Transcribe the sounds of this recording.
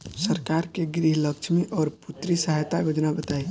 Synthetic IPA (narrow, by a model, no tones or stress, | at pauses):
səɾkaɾkeɡɾiɦləkt͡ʃʰmiʔɔːɾput̪ɾisaɦt̪ajod͡ʒnabət̪ai